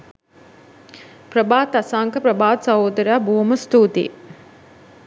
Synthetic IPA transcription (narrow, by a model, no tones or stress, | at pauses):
pɾɐbaːt̪ɐsaːŋkʰɐpɾɐbaːt̪sɐɦoːd̪ɐɾjaːbʱuːmɐst̪uːt̪ḭː